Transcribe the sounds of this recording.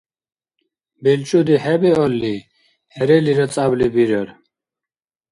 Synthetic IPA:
bɛlt͡ʃʼud̪iħɛbɛɔlːi | hɛɾɛliɾɔt͡sʼablibiɾɛɾ

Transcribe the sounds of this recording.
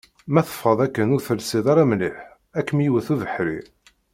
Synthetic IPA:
mæθə̥fːɑðˤækːənʊɾθəlsiðˤɑɾˤɑmliħ | ækːmjiwəθuðəħɾḭ

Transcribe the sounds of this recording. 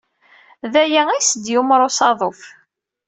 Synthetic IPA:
ðæjææjsəd̪jumɾˤosɑðˤof

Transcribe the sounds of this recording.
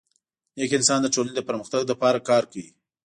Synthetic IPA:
jekɪnsɑnd̪əʈolaned̪əpəɾməxt̪aɡd̪apɑɾakɑɾkawḭ

